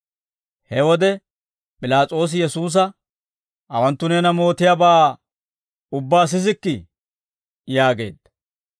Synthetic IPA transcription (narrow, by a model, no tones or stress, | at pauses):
hɛwɔd̪ɛ | pʼɪlaːt͡sʼo̞ːs̬ɪjɛsuːs̬ɐ | ʔɐwɐnt̪ːʊnɛːnɐmo̞ːt̪ːɪjaːbaː | ʊbːaːs̬ɪzɪkːɪ | jaːɡe̞̰ːd̪ɐ